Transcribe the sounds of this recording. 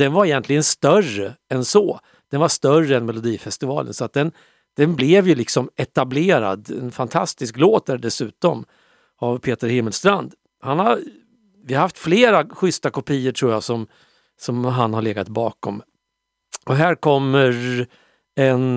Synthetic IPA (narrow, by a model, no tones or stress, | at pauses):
d̪ɛnvaɾɛjɛnt̪lɪɡənst̪œrəɛnsɔː | d̪̥ɛnvaʂt̪œrəɛnmɛlʊd̪iːfɛst̪ɪvɑːlə̰nsɔat̪̚d̪ɛn | d̪̥ɛnblɛvjɵlɪksɔmɛt̪ableːɾa̰d̪ɛ̰nfant̪ʰast̪ɪskloːt̪̚d̪æɖɛsʉ̟ːt̪ɔm | avpʰeːt̪əɾhɪmːəlst̪ɾand̪ | hanhaɾ | vɪhaɾhaft̪fleːɾaɧʏst̪akʊpʰijːəʈʰɾuːɾjasɔm | sɔmɦanhaɾɭeːɡat̪bɑːkɔm | ɔɦæːɾkʰɔmːəɾ | ɛn